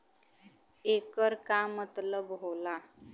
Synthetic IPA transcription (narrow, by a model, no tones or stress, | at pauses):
ekəɾkamət̪ləbɦola